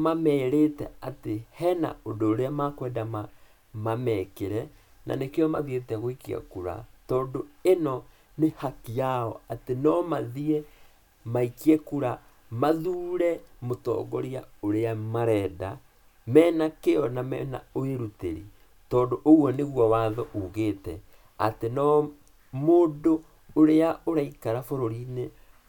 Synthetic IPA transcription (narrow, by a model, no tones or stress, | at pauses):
mamɛːɾetɛ̰atehɛna̰ondoːɾeamakwɛːdama | mamɛkeɾɛ | na̰nekeɔmaðietɛɣoikia̰kuɾa̰tɔːndoenɔ | nehakiaɔatenɔmaðiɛ | maikiɛkuɾa | maðuːɾɛmotɔ̰ːɡɔɾiaoɾeamaɾɛːda | mɛːnakeɔnamɛ̰na̰oeɾutḛɾḭ | tɔːndoʔoɣwɔneɣwawaːðɔʔoɣeːtɛ̰ | a̰tenɔ | moːdo | oɾeaoɾaikaɾafoɾoɾine